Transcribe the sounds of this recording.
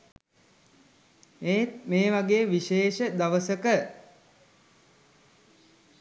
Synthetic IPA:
eːt̪̚meːʋaɡeːʋiʃeːʃəd̪aʋəsəkə

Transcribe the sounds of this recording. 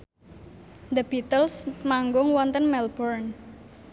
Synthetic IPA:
d̪əb̥it̪əlsmaŋɡʊŋwɔnt̪ənmɛlbɔrn

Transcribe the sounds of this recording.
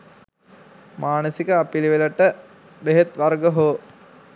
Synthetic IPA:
maːnəsikəapiliʋeləʈə | beɦet̪ʋarɡəɦoː

